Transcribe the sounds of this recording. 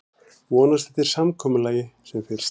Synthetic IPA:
vɔːnast̪ɛht̪ɪɾ̥samkʰɔːmʏlaːjɪsɛmfɪɾɪ̥s

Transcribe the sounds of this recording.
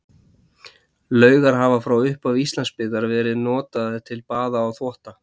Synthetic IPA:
lœːɥɣaɾ̥ɦaːvafɾawʏhpavist̪lanspɪːðaɾvɛːɾɪðnɔːt̪aðɪt̪ʰɪlpaːðaːwθvɔht̪a

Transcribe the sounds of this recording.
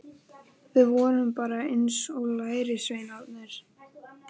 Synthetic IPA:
vɪðvɔːɾʏmpaːɾaensɔlaːjɾɪsvejnat̪nɪɾ̥

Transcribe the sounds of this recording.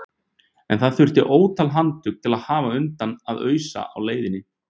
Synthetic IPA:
ɛ̰nθaðθʏr̥t̪ɪʔoːwt̪ʰalɦant̪ʏk̚t̪ʰɪlaðhaːvaʏnt̪anaðœːɥsa̰a̰wleːjðɪnːɪ

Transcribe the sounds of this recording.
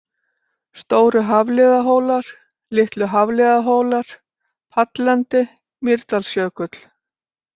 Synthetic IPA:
st̪oːwɾʏɦavlɪːðaɦoːwlaɾ̥ | lɪht̪lʏɦavlɪːðaɦoːwlaɾ̥ | pʰat̪lɛnt̪ɪ | mɪɾt̪alsjœːkʏt̪l̥

